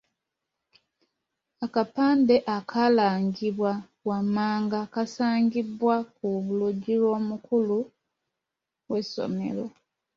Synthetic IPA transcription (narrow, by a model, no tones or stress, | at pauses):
akapaːnde̞ʔakʰalaːɲɡiβwa | wamːaːŋɡakasaːɲɟibwakuβuluɟːilwo̞ːmukulu | we̞sːo̞̰me̞̰lo̞